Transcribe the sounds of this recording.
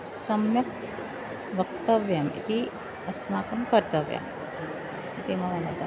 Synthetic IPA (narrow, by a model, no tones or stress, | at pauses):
sɐmjɐk̚ | ʋɐkt̪ɐʋjɐmḭt̪i | ɐsmaːkɐmkɐɾt̪ɐʋjɐ̰m | it̪imɐʋɐmɐt̪a